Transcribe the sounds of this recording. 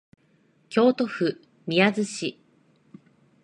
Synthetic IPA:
kʲo̞ːt̪o̞ɸɯ̟ | mʲiazɨɕi

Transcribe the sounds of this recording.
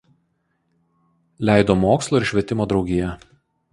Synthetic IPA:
lʲæˑɪd̪oːmoːkslˠoːɪɾʃʲʋʲɛt̪ʲɪmoːd̪ɾɒʊɡʲɪjɛ

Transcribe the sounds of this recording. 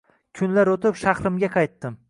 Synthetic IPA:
kʲʰʊnlaɾot̪ɪpʃaχɾɪmɡʲaqʰɑjt̪ːɪm

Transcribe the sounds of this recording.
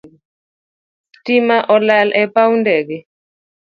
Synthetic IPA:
timaʔɔlalʔɛpawndɛkɛ

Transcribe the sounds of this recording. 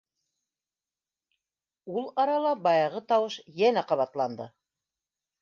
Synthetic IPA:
ulˠɑɾɑlˠɑbɑjɑʁɤt̪ɑwɤʃjænæqɑβɑt̪lˠɑnd̪ɤ

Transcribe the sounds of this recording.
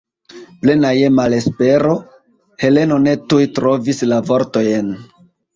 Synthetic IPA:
ple̞naje̞male̞spe̞ɾo̞ | he̞le̞no̞ne̞tujtɾo̞vislavo̞ɾto̞jen

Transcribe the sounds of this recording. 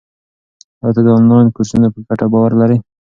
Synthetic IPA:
t̪ɑt̪ɑd̪əɑnlɑjnkoɾsunapəɡaʈabɑwaɾlaɾi

